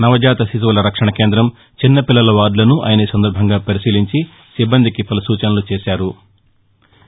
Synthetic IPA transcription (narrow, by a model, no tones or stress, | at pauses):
nɐʋɐd͡ʒaːt̪ɐsit̪̬uʋɐlɐɾɐkʂɐɳɐkeːnd̪ɾɐm | t͡ʃinːɐpilːɐlɐʋaːɖlɐnuʔa̰ːjɐnɐsɐnd̪ɐɾbʱɐŋɡaːpɐɾisiːliɲt͡ʃi | sibːɐnd̪ʱikipɐlɐsuːt͡ʃɐnɐlut͡ʃɛːʃaːɾu